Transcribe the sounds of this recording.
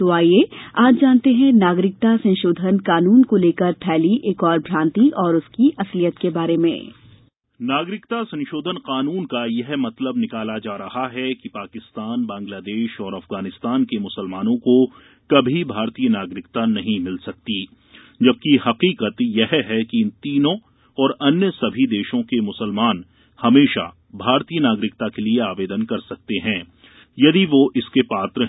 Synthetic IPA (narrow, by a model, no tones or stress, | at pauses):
t̪oaːjeaːpd͡ʒaːnt̪eɦɛ̃naːɡɾɪk̚t̪asɐ̃nʃoːd̪ʱənkaːnuːnkoleːkəɾpʰɛːliʔeːkɔːɾbʱɾãːnt̪iʔɔːɾʊskiʔɐslijət̪kebaːɾemḛ̃ː | naːɡɾɪkt̪asɐ̃nʃoːd̪ʱənqaːnuːnkajɛɦmɐt̪ləbnɪkaːlad͡ʒaːɾɐɦaɦɛkipaːkɪst̪aːnbãːŋɡlaːd̪eːʃɔːɾɐfɣaːnɪst̪aːnkemʊsəlmaːnõko | kɐbʱibʱaːɾt̪iːjənaːɡɾɪkt̪anɐɦĩmɪlsɐk̚t̪i | d͡ʒɐb̚kihɐqiːqət̪jɛɦɦɛkiɪnt̪iːnõ | ɔːɾɐnjəsɐbʱid̪eːʃõkemʊsəlmaːn | hɐmeːʃa̰ | bʱaːɾt̪iːənaːɡɾɪkt̪akelieaːʋeːd̪ənkɐɾsɐk̚t̪eɦɛ̃ː | jɐd̪iʋoʔɪskepaːt̪ɾə